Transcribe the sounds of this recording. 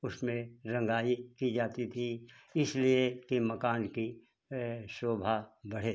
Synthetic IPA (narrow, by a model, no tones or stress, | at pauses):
ʊsmẽɾɐ̃ŋɡaːikid͡ʒaːt̪it̪ʰiɪsliekimɐkaːnki | ʃoːbʱabɐɽ̤eː